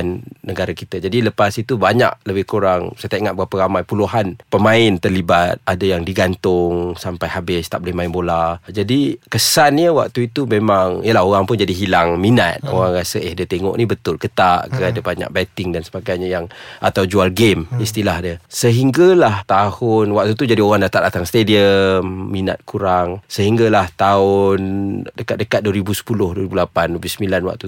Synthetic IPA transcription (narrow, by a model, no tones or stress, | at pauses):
nːəɡaɾakit̪əd͡ʒadiləpasit̪ubaɲa̰ʔləbɪhkuɾaŋsajt̪aʔiŋat̪̚bəɣapəɾamajpuluɦanpəmaɪnt̪ərlibat̪̚adajaŋdiɡant̪ʊŋsampajɦabɪst̪aʔbolɪhmaɪnbolad͡ʒadikəsanɲəwa̰k̚t̪uit̪umemaŋjəlaɦoɾaŋpʊnd͡ʒadiɦilaŋmina̰t̪̚o̰ɣaŋɾasəʔɛhdət̪eŋɔ̰ʔnibət̪ʊlkət̪aʔkəadabaɲa̰ʔ̚bɛt̪ɪŋdansəbaɡajɲajaŋa̰t̪awd͡ʒualɡemist̪ilahdəsəɦiŋɡalaht̪ahʊnwak̚t̪ut̪ud͡ʒadioɣaŋdat̪aʔdat̪aŋst̪ediəmːina̰t̪̚kʰuɾaŋsəɦiŋɡalaht̪aʊndəkat̪̚dəkat̪̚duəɾibusə̥pulʊhduəɾibulapandbusəmilanwa̰k̚t̪u